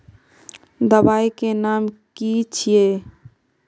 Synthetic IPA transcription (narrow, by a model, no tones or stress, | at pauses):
d̪əbaikenamkit͡ʃʰije